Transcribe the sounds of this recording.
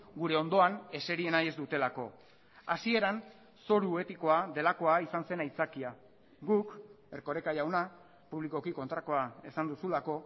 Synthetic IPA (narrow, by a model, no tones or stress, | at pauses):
ɡuɾe̞o̞nd̪o̞ane̞se̞ɾie̞naje̞zd̪ut̪e̞lako̞ | asie̞ɾan | so̞ɾue̞t̪iko̞aðe̞lako̞aisanse̞najt͡sakia | ɡuk | e̞rko̞ɾe̞kajawna | puβliko̞kiko̞nt̪ɾako̞ae̞sand̪usulako̞